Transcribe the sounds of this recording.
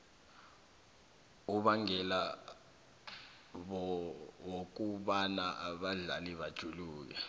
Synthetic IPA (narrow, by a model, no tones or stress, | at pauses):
uɓaŋɛla | ɓɔwok̬uɓanaʔaɓaɮa̰liɓad̥ʒ̥ʱuluːk̬ɛ